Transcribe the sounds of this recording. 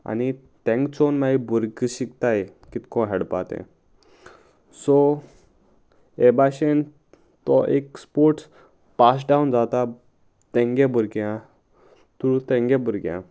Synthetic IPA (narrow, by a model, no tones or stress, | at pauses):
a̰ni | t̪ɛ̃ŋkt͡sonmaibuɾɡɕikt̪aekit̪kɔ̃ɦɛɽpa̰t̪ɛ̰̃ | sɔ | ebaɕen | t̪ɔʔekspoɾʈ | pas̬ɖaund͡zat̪a | t̪ɛ̃ŋɡebʱuɾɡjã | t̪uɾut̪ɛ̃ŋɡebuɾɡjã̰